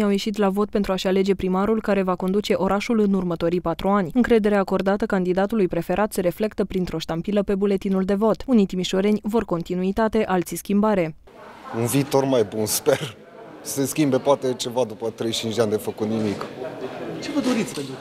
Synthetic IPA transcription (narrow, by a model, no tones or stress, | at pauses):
awje̞ʃit̪̬lavo̞t̪̚pent̪ɾuaʃeale̞d͡ʒe̞pɾimaɾulkaɾe̞vako̞nd̪ut͡ʃe̞ʔo̞ɾaʃulɨnurmət̪o̞ɾijpat̪ɾuanʲɨŋkɾe̞d̪e̞ɾeako̞rd̪at̪əkand̪id̪at̪ulujpɾe̞fe̞ɾʔat̪seɾe̞fle̞kt̪əpɾint̪ɾo̞ʃt̪ampiləpe̞bule̞t̪inuld̪e̞vo̞t̪unijt̪imiʃo̞ɾe̞nʲvo̞rko̞nt̪inuit̪at̪e̞ʔalt̪siskʲimbaɾe̞ | unviːt̪o̞rmajbunsper | se̞skʲimbe̞poat̪e̞t͡ʃe̞vad̪upət̪ɾe̞jt͡ʃint͡ʃd͡ʒd̪eand̪efəkut̪nimik | t͡ʃe̞vəd̪o̞ɾit̪sʲpeu